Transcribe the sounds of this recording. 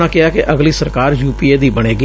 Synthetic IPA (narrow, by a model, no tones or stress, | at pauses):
aːkɪaːkɪʔəɡliːsəɾkaːɾjuːpiːeːd̪iːbəɽ̃eːɡə